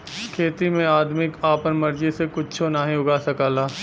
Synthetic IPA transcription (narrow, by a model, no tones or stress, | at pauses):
kʰeːt̪imẽaːd̪mɪkaːpənmɐɾd͡ʒisekʊt͡ʃt͡ʃʰonaːɦĩʊɡasɐkaːlaː